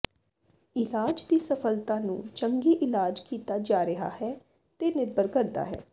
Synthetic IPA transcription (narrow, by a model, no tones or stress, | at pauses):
ɪlaːd͡ʒd̪iːsəpʰəlt̪ãːnṵ̃ːt͡ʃəŋɡiːʔɪlaːd͡ʒkiːt̪aːd͡ʒaːɾəɦa̰ːhɛː | t̪eːnɪɾbəɾkəɾd̪a̰ːɦɛ̰ː